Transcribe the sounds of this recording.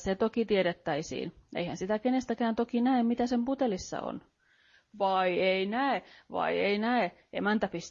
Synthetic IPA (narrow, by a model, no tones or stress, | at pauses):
set̪okit̪ieɾet̪ːæisḭːnʔḛihænsit̪ækenest̪ækæːnt̪okinæemmit̪æsemput̪elisːɑ̰o̰n | ʋɑieinæeʋɑ̰ieinæe | ʔemænt̪æpist̪